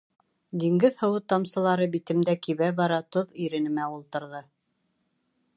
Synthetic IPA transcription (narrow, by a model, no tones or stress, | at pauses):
d̪iŋɡɘðhɤ̆wɤt̪ɑmsɤ̆lˠɑɾɤbit̪ɘ̆md̪ækiβæbɑɾɑt̪oðiɾɘ̆nɘ̆mæulˠt̪ɤ̆ɾðɤ